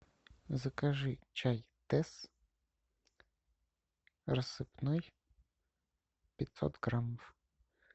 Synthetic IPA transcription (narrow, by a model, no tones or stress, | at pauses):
zɐkaʒɪt͡ʃajt̪ɛs | rɐssɨpnɔj | pʲɪt̪sɔ̰t̪ɡɾamɔw